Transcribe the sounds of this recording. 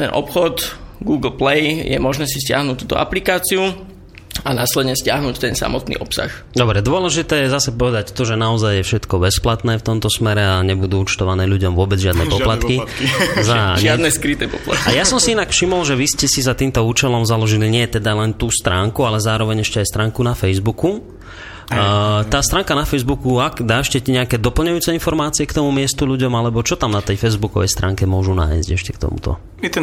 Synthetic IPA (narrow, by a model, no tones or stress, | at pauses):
t̪ɛnʔɔ̰pxɔt̪ɡuːɡl̩plɛjjɛ̰mɔʒnɛːsiscɪa̰ɦnuːt̪ːuːt̪ɔ̰ʔa̰plikaːt͡siu | anaːslɛd̪ɲɛscɪaɦnuːct̪ɛnsa̰mɔt̪nḭːʔɔpsa̰x | d̪ɔbɾɛd̪ʊɔlɛʒit̪ɛːjɛzasɛpɔʋɛd̪act̪ɔʒɛnaɔzajːɛfʃɛt̪kɔbɛsplat̪nɛːft̪ɔmt̪ɔsmɛɾɛaɲɛbud̪uːut͡ʃt̪ɔʋanɛːʎuɟɔmʋʊɔbɛd͡zʒad̪nɛpɔplat̪kizaad̪nɛskɾit̪ɛpɔpla̰t̪kajasɔmsiinakfʃimɔlʒɛʋiscɛsizat̪iːmt̪ɔuːt͡ʃɛlɔmzalɔʒiliɲɪɛt̪ɛd̪alɛnt̪uːst̪ɾaːŋkualɛzaːɾɔʋɛɲɛʃcɛajst̪ɾaːŋkunafɛjzbuku | t̪aːst̪ɾaːŋkanafɛjzbukuaɡd̪aːɛʃcɛciɲɛakɛːd̪ɔpl̩ɲɛjuːt͡sɛinfɔɾmaːt͡siɛkt̪ɔmumɪɛst̪uʎuɟɔmalɛbɔt͡ʃɔt̪amnat̪ɛjfɛjzbukɔʋɛ̰jst̪ɾaːŋkɛmʊɔʒuna̰ːjzɟɛʃcɛkt̪ɔ̰mṵt̪ɔ̰